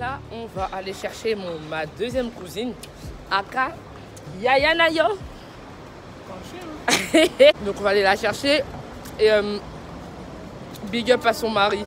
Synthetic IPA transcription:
laɔ̃vaʔaleʃɛʁʃemɔ̃mad̪øzjɛmkuzin | aka | jajanajɔ | d̪ɔ̃kɔ̃vaːlelaʃɛʁʃe | m | biɡœpaʁsɔ̃maʁi

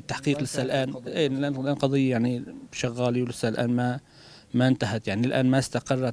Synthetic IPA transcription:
ɪt̪ːaħqiːqlɪsːalʔaːnʔiːlʔaːnlʔaːnqɑd̪ˤɨjːajaʕniʃaɣːaːliwlɪsalʔa̰ːnma | maɪnt̪aɦat̪jaʕnilʔaːnmast̪aqɑrˤːɑ

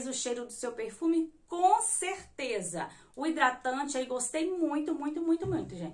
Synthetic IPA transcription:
zʊʃejɾʊd̪ʊsewpeɾfũmɪkõseɾt̪ezɐ̰ | ʊid̪ɾat̪ɐ̃t͡ʃɪaijɡost̪ejmũj̃t̪ʊmũj̃t̪ʊmũj̃t̪ʊmũj̃t̪ʊʒẽt͡ʃ

